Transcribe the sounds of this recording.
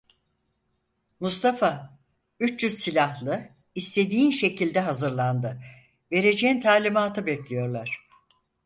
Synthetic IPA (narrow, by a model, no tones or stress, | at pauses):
must̪ʰafa | yt͡ʃt͡ʃyzsilʲahlˠɯ | ist̪ʰe̞d̪iːnʃe̞cʰilʲd̪ɛɦazɯɾlˠand̪ɯ | ve̞ɾe̞d͡ʒeint̪ʰaːlʲimaːt̪ʰɯbɛclʲijo̞ɾlˠaɾ̝̥